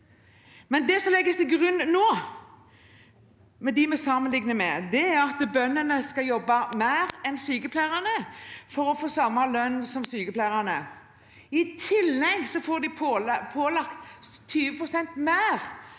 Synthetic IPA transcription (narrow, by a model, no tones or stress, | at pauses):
mɛnd̪ɛsɔmlɛɡːəst̪ʰɛɡʁʉnːnoː | mɛd̪ɪmɛsɑmənlɪŋnəmɛd̪ɛæʁɑt̪bœnːənəskɑljɔbːɑmæɪʁɛnsyːkəpʰlæːʁɑnəfɔɾɔfoːsɑmɑlœnːsɔmsyːkəpʰlæːʁɑnə | ɪt̪ʰɪlːɛɡsɔfoːʁd̪ɪppʰoːlɑkt̪t̪ʰːyːʋəpʁʊsɛnt̪mæːʁ